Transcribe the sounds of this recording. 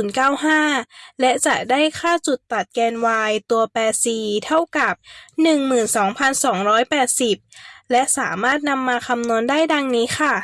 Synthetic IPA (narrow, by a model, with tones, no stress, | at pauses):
uː˩˦nkaː˥˩wɦaː˥˩lɛ˦˥ʔt͡ɕa˨˩ʔ̚daː˥˩jkʰaː˥˩t͡ɕu˨˩t̪ːa˨˩t̪̚kɛː˧nwaː˧jt̪u˧ɐpɛː˨˩t̪̚siː˨˩t̪ʰa˥˩wka˨˩p̚nɯ˨˩ŋmɯː˨˩nsɔː˩˦ŋpʰa˧nsɔː˩˦ŋɾɔː˦˥jpɛː˨˩t̪̚si˨˩p̚lɛ˦˥ʔsaː˩˦maː˥˩t̪̚na˧mːaː˧kʰa˧mnu˧əndaː˥˩jda˧ŋniː˦˥xʰa˥˩